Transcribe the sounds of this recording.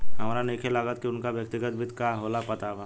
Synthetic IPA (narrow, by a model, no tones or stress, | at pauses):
ɦɐmaːɾaneːkʰelaɡət̪̚kiʊnkaʋjək̚t̪ɪɡət̪̚bʱit̪kaːɦoːlapɐt̪aʋaː